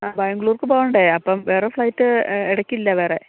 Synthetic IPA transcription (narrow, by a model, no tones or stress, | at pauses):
aːbajɐŋɡɭuːrkɨpoːɳɖeɐpːɐmʋeːrefɭɐjtːɨeɽɐkːilːɐʋe̞ːre̞